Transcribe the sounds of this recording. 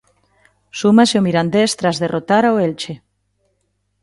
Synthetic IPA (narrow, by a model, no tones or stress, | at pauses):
sumasɪomiɾand̪est̪ɾazðerʔot̪aɾaoelt͡ʃe